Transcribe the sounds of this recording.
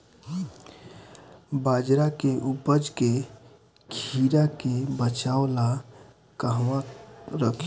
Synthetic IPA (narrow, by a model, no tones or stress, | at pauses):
bad͡ʒɾakeʔupəd͡ʒke | kʰiɾakebət͡ʃaʊla | kəɦwãɾəkʰ